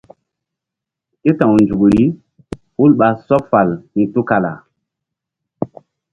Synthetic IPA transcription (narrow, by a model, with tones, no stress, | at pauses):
ke˦tã˨wnd͡ʒu˨kɾi˦ | hu˦lɓa˨sɔ˦pfa˨lni˨tu˦ka˨la̰˨